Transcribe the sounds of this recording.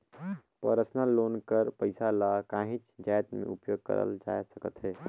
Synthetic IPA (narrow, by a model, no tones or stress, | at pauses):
pəɾəsnaloːnkəɾpəɪsalakãːɦɪ̃t͡ʃd͡ʒaːjt̪mḛ̃ʔʊpjoːɡ̚kə̰ɾə̰ld͡ʒa̰ːjsəkət̪ɦɛː